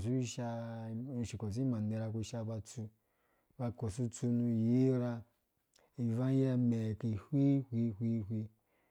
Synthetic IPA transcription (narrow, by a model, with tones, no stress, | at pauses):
su˦i˦ʃa˧˨ | ʃi˨ko˨s̬i˦i˦mã˨ne˨˧ɾa˧ku˧ʃa˧ba˧t͡su˧ | ba˧ko˨su˦t͡su˧nu˧je˦ɾa˧ | i˨va˦a˦me˨ki˨hwi˦hʷi˦hʷi˦hwi˧